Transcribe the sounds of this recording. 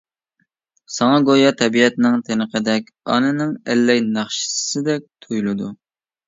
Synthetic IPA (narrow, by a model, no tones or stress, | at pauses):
sɑŋɑɡojɑt̪ʰɛbiɛt̪nɪŋt̪ʰenəqəd̪ɛkʲɑ̰nɨnɪŋɛlːɛjnɑχʃɪ̥ssɪd̪ɛk̚ʲt̪ʰujlˠɨd̪u